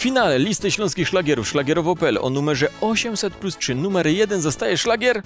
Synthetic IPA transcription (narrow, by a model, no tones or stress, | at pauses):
fʲinalɛlʲist̪ɘɕlɔ̃skʲixʂlaɡʲɛɾufʂlaɡʲjɛɾɔvɔpɛlɛ̰ʔɔ̰numɛʐɛɔɕɛmsɛt̪̚plustʂɘnumɛɾjɛd̪ɛnzast̪ajɛʂlaɡʲɛɾ